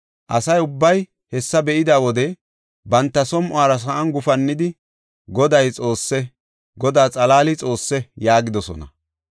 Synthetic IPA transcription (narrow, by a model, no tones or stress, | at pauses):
ʔɐsɐjʊbːɐj | hɛsːɐbɛʔɪd̪aːwɔd̪ɛ | bɐnt̪ːɐsɔmʔʊaːɾɐs̬ɐʔɐnɡʊfɐnːɪd̪ɪ | ɡɔd̪ɐjt͡sʼo̞ːsːɛ | ɡɔd̪aːt͡sʼɐlaːlɪt͡sʼo̞ːsːɛjaːɡɪd̪ɔsɔ̰nɐ̰